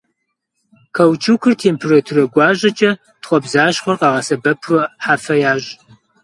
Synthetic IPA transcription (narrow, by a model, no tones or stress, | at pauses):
kʰɐwt͡ʃʰuːkʰʷɨrtʰeːmpʰɨrɨtʰɨrɐɡʷɑːʑʼɐt͡ʃʼɐ | tχʷɔbzaːʃχʷɔrqɑːʁɐsɐbɐpʰɨħaːfɐjaːɕʼ